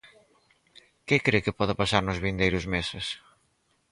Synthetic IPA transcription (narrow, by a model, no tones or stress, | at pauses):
kɪkɾekɪpɔðapasaɾnʊzβind̪ejɾʊzmesɪs